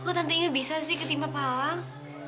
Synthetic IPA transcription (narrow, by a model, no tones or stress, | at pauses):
kot̪ant̪iŋabisasɪhkət̪impapalaŋ